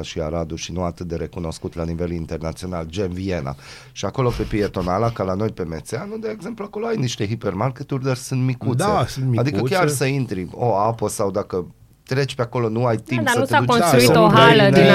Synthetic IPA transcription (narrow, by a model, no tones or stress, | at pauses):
aʃia̰ɾad̪uʃinuat̪ɨt̪̚d̪e̞ɾe̞kuno̞skut̪lanive̞lint̪e̞rnat̪sio̞nald͡ʒemvie̞na̰ | ʃiako̞lo̞pe̞pɾie̞t̪o̞nalakalano̞jpe̞met̪seanud̪eːɡze̞mpluako̞lo̞ajniʃt̪e̞ɦipermarket̪urʲd̪arsɨnt̪mikud̪esɨnmiad̪ikəkʲjasəint̪ɾioapəsawd̪akə | t̪ɾe̞t͡ʃʲpeako̞lo̞nuajt̪impssəed̪ut͡ʃnɾuit̪oɦalən